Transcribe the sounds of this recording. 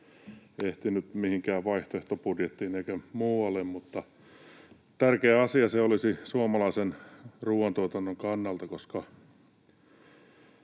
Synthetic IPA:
eht̪inyt̪mihiŋkæːʋʋɑiht̪oeht̪opurjet̪ːiːneikæmuːɑlːemmut̪ːɑ | t̪ærkeːɑsiɑseolisisuomɑlɑisenruːʋɑnt̪uɑt̪ɑnːoŋkɑnːɑlt̪ɑkoskɑ

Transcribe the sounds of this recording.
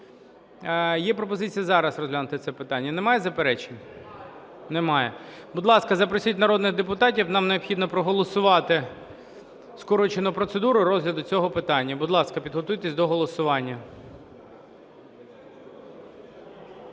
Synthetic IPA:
jɛpɾɔpɔzɪt͡sʲijɐzɑɾɐsrɔzɦlʲanʊt̪ɪt̪sɛpɪt̪ɑnʲːɐnemɑjɛzɐpeɾɛt͡ʃenʲ | nɛmɑjɛbʊd̪lˠɑskɐzɐpɾɔsʲitʲnɐɾɔd̪nɪɣd̪epʊt̪ɑtʲiwnɑmneɔpxʲid̪nɔpɾɔɦɔlˠɔsʊʋɑt̪ɪ | skɔɾɔt͡ʃenʊpɾɔt̪sed̪uɾʊɾɔzlʲɐd̪ʊt͡sʲɔɦɔpɪt̪ɑnʲːɐbʊd̪lˠɑskɐpʲid̪ɦɔt̪ujt̪esʲd̪ɔɦɔlˠɔsʊʋɑnʲːɐ

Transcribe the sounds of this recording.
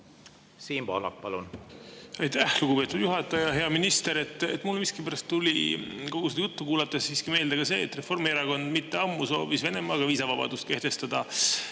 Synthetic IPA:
siːmb̥o̰lɑ̰k̚pɑlun | ɑjt̪æhluɡ̥upe̞ːt̪ːˑud̪̥juɦɑt̪ːˑɑjɑɦe̞ɑminist̪e̞ɾe̞t̪ːˑḛt̪mulːmiskipæɾɑst̪ːulʲiko̞ɡ̥usejut̪ːukuːlɑt̪ːˑessiːskime̞ːld̪eɡɑse̞̰ːt̪ːˑre̞fo̞rmieɾɑko̞nd̪mit̪ːeɑmːuso̞ːvisve̞ne̞mɑːɡ̥ɑviːsɑvɑb̥ɑ̰d̪̥ust̪̚ke̞ht̪e̞st̪ɑd̪̥ɑ

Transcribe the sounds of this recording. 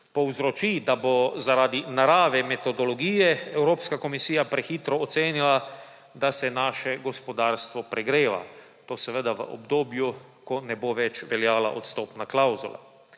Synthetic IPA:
pɔwzɾɔt͡ʃid̪abozaɾaːd̪inaɾaːʋɛmɛt̪ɔd̪ɔlɔɡiːjɛɛwɾoːpskakomisiːjapɾɛxiːt̪ɾɔːt̪seːnila | d̪asɛnaːʃɛɡɔspɔd̪aːɾst̪ʋɔpɾɛɡɾeːʋa̰ | t̪oːsɛʋəd̪aʋə̰ʔo̰bd̪oːbju | kɔnɛboːʋɛt͡ʃʋɛljaːla̰ʔo̰t̪st̪oːpnaklawzula̰

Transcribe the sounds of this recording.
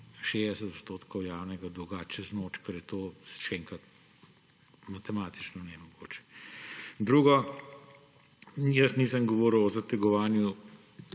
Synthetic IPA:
ʃezd̪ɛsɛt̪ot̪st̪oːt̪kɔwjaːwnɛɡad̪uɡaːt͡ʃɛznoːt͡ʃkɛɾjɛt̪oːʃɛɛŋkɾɐt̪̚ | mat̪ɛmaːt̪i̥t͡ʃnɔnɛmɔɡoːt͡ʃɛ̥ | d̪ɾuːɡɔ | jəsniːsəmɡɔʋɔːɾəwɔzɐt̪ɛɡɔʋaːnju

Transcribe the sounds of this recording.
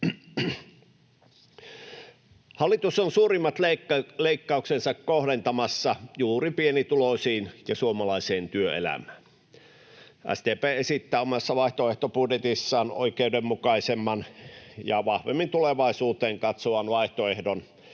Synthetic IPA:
hɑlːit̪usonsuːrimːɑt̪leikːɑuksensɑkkohɾent̪ɑmɑsːɑjuːripienit̪ulosiːnjɑsuomɑlɑiseːnt̪yøḛlæ̰mæːn | ʔæ̰sd̪eːpeːesit̪ːæːomɑsːɑʋɑiht̪oeht̪opudjet̪isːɑːno̰ikeudemmukɑisemːɑnjɑʋɑhʋemːint̪uleʋɑisuːt̪eːŋkɑt̪soʋɑnʋɑiht̪oehdon

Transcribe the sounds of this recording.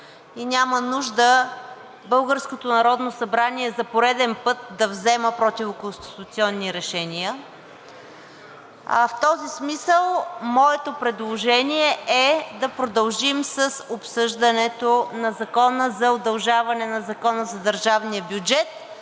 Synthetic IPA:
inʲamənuʒd̪ə | bɤlˠɡəɾskot̪onɐɾɔd̪nosɐbɾaniɛzɐpoɾɛd̪ɛnpɤt̪̚d̪ɐvzɛməpɾɔt̪ʲivʊkonst̪i̥t̪ut̪siɔnːiɾɛʃɛnʲiə | ft̪ɔzismisəlˠmɔɛt̪opɾɛd̪lˠoʒɛniɛʔɛd̪ɐpɾod̪ɐlˠʒimsəsopsɤʒd̪ənɛt̪onɐzɐkɔnəzɐod̪ɐlˠʒavɐnɛnɐzɐkɔnəzɐd̪əɾʒavnijəbjʊd͡ʒɛt̪̚

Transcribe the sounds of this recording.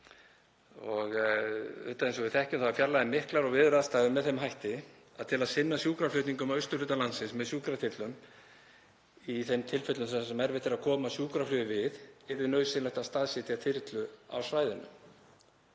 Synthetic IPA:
ɔɣ | ʏ̰ht̪aðensɔvɪθɛhcʏmθavaɾfjalaðɪmɪhklaɾɔɣvɪðʏɾaðst̪aːɣðʏmːɛðθejmɦajht̪ɪ | aðt̪ʰɪlaðsɪnːasjuːkɾaflʏht̪niŋkʏmawʏɥst̪ʏ̥lʏt̪alansɪnsmɛðsjuːkɾat̪ʰɪt̪lʏm | iθemt̪ʰɪlfʏt̪lʏnssɛmɛɾvɪt̪ʰɪlaðkʰɔːmasjuːkɾaflʏːðʏvɪðɛɾvɪnœːɥsɪnlajht̪ast̪aðsɪt̪iat̪ʰɪɾt̪lʏa̰wsvaːjðɪnʏ̰m

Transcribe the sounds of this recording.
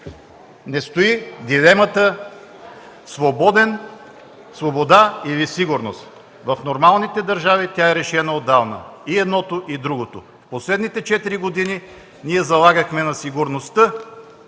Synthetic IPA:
nɛst̪oid̪ilɛmət̪ə | svobɔd̪ɛn | svobod̪ailisiɡʊɾnost̪ | vɐfnoɾmalˠnit̪ɛd̪ɐɾʒavit̪ʲaɛɾɛʃɛnəod̪ːavnə̰iɛd̪nɔt̪oʔid̪ɾuɡot̪o | fposlɛd̪nit̪ɛt͡ʃɛt̪iɾiɡod̪ini | niɛzɐlˠaɡəxmɛnɐsiɡʊɾnost̪ɤ

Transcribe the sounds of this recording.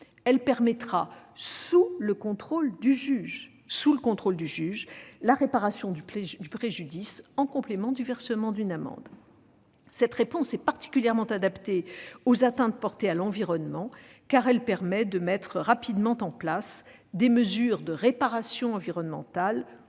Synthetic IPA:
ɛlpɛʁmɛt̪χasuləkɔ̃t̪χold̪yʒyʒ | suləkɔ̃t̪χold̪yʒyʒlaʁepaʁasjɔ̃d̪yd̪ypχeʒyd̪isɑ̃kɔ̃plemɑ̃d̪yvɛʁsəmɑ̃d̪ynamɑ̰̃d̪ | sɛt̪χepɔ̃sɛpaʁt̪i̥kʲyljɛʁmɑ̃t̪ad̪apt̪eozat̪ɛ̃t̪̚pɔʁt̪ealɑ̃viʁɔnmɑ̃ | kaʁɛlpɛʁmɛd̪əmɛt̪χəʁapid̪mɑ̃t̪ɑ̃plasd̪eməzyʁd̪əʁepaʁasjɔ̃ɑ̃viʁɔnmɑ̃t̪al

